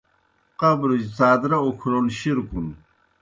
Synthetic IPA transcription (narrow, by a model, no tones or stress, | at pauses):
qɐbɾud͡ʑt͡saːd̪ɾɐukʰɾonɕiɾkun